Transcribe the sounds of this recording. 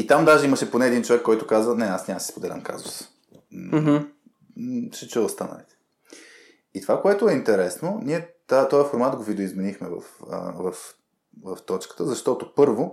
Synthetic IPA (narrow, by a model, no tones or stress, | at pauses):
it̪amd̪aʒɛiməʃɛponɛːd̪int͡ʃovɛkːɔjt̪ʊkazvənɛasnʲasi̥spod̪ɛlʲə̰mka̰zʊ̰s | ʃɛt͡ʃuvəst̪anə̰lit̪ɛ̥ | it̪ovakoɛt̪ʊɛint̪ɛɾɛsnoniɛt̪at̪ɔjɐfoɾmat̪ɡovid̪oizmɛnixmɛvə̰fə̰vəf | vəft̪ɔt͡ʃkə̥t̪əzɐʃt̪ɔt̪opɤɾvo